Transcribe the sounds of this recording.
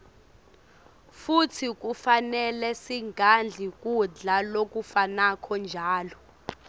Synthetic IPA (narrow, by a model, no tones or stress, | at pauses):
futʰik̬ʼufanɛlɛsiŋɡʱand͡ɮʱik̬ʼuɮalok̬ʼufanakʰɔnd͡ʒʱaːlɔ